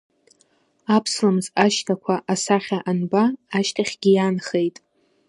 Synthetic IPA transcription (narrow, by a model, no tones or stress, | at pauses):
apʰslamzaʃtʰakʷʰaʔasaχʲaʔanbaːʃtʰaχʲɡʲijanχejtʼ